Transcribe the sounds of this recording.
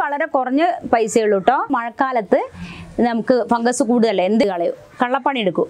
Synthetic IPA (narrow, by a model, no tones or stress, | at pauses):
ʋɐɭɐɾe̞kurɐɲːɨpɐjsɐjiɭuʈːoːmɐɻɐkːaːlɐt̪ːɨnɐmukːɨfɐŋɡɐsukuːɽuðɐlːɐend̪ikɐɭɐjṵ | kɐɭːɐpːɐɳieɽukːu